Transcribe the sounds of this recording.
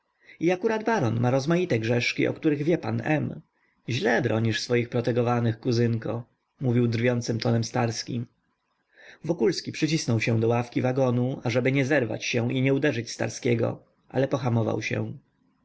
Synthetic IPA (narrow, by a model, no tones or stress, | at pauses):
iakuɾad̪baɾɔnmʔaɾɔzmajit̪ɛɡʐɛʂkʲḭʔɔ̰kt̪uɾɘɣvʲjɛpanɛm | ʑlɛbɾɔɲiʂsfɔjixpɾɔt̪ɛɡɔvanɘxkuzɘŋkɔ | muvʲiwd̪ɾvʲjɔnt̪sɘmt̪ɔnɛmst̪aɾskʲḭm | vɔkulskʲipʂɘt͡ɕisnɔwɕɛw̃d̪ɔwafkʲivaɡɔnuaʐɛbɘɲɛzɛɾva̰t͡ɕɕɛw̃ʔiɲɛud̪ɛʐɘt͡ɕst̪a̰ɾskʲɛɡɔ̰ | ʔa̰lɛpɔxamɔva̰wɕɛ̰̃